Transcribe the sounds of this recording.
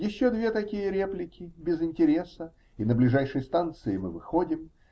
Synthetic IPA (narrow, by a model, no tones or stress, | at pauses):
jɪɕːod̪vʲe̞t̪ɐkʲijəɾʲe̞plʲɪkʲɪbʲɪzɪnʲtʲɪɾʲe̞sə | inəblʲɪʐajʂɨjəst̪ant̪sɨɪmɨvɨxodʲɪm